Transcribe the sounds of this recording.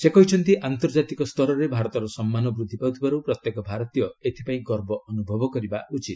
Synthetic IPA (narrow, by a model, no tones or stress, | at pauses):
sekɔɦit͡ʃʰɔnt̪iʔant̪ɔɾd͡ʒat̪ikɔst̪ʰɔɾɔɾebʱaɾɔt̪ɔɾɔsɔmːanɔbɾud̪ʱːipawt̪ʰibaɾupɾɔt̪jekɔbʱaɾɔt̪ijɔet̪ʰipaĩɡɔɾbɔʔɔnubʱɔbɔkɔɾibaut͡ʃit̪